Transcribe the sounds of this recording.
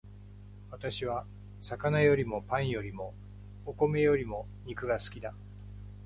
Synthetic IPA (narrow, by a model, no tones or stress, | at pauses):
βat̪aɕiβ̞a | sakanajo̞ɾʲimo̞pãɰ̃jo̞ɾʲimo̞ː | ko̞me̞jo̞ɾʲimo̞ | ɲ̟ikɯ̟ɡasɨ̥kʲid̪a